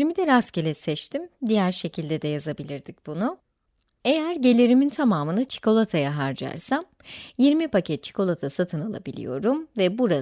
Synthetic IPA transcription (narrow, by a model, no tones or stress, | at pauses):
ɾmid̪ɛɾascelʲɛsɛt͡ʃt̪ʰimd̪ijæɾʃe̞cʰilʲd̪ɛd̪ɛjazabilʲiɾd̪ic̚b̥unʊ | e̞jæɾɟe̞lʲiɾimint̪ʰamaːmɯnɯt͡ʃʰi̥kʰo̞lˠat̪ʰajaɦaɾd͡ʒa̰ɾsam | jiɾmipʰacʰɛt̪̚t͡ʃʰi̥kʰo̞lˠat̪ʰasat̪ʰɯnalˠa̰bilʲḭjo̞ɾumvɛbuɾa